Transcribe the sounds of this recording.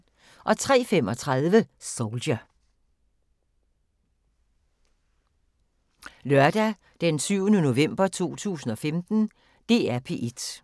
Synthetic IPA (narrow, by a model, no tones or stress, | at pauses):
ʔɒ̽t͡sʰʁɛ̰ːfem̰ɒ̽t͡sʰʁɑðˠʋəsolɕɐ | lɶɐd̥æ | d̥ensyʊnəno̝ʋem̰b̥ɐt͡sʰo̝̰ːt͡sʰṵːsn̩ɒ̽femd̥n̩ | d̥e̝ːæɐpʰe̝ʔed̥